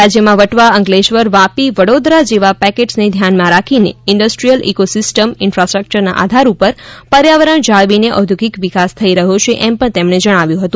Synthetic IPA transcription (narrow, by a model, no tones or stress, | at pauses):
ɾad͡ʒjəmãʋəʈʋaəŋɡleʃʋəɾʋapiʋəɽod̪ɾad͡ʒeʋapɛkeʈsned̪ʱjanmãɾakʰineɪɳɖəsʈɾijəlḭkosɪsʈəmɪnfɾasʈɾək̚t͡ʃəɾna̰ʔa̰d̪ʱaɾupəɾpəɾjaʋəɾəɳd͡ʒaɭʋineʔəd̪ʱuɡikʋikast̪ʰəiɾəɦot͡ʃʰeʔɛmpəɳ̃t̪emɳ̃ed͡ʒəɽ̃aʋjũɦət̪ũ